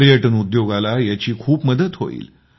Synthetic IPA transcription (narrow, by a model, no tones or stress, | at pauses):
ɾijəʈənud̪joɡalajat͡ɕiːkʰuːpməd̪ət̪ɦo̰ḭːl